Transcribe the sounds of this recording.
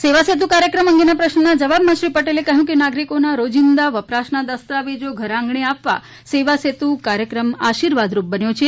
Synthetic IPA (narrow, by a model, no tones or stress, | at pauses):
seʋaset̪̬ukaɾjəkɾəməŋɡenapɾəʃnənad͡ʒəʋabmãʃɾipəʈelekəɦjũkenaɡɾikonaɾod͡ʒind̪aʋəpɾasnad̪əst̪aʋed͡ʒoɡʱəɾãŋɡɳeapʋa̰ | seʋaset̪ũkaɾjəkɾəmaʃiɾʋad̪ɾup̚bənjot͡ʃʰe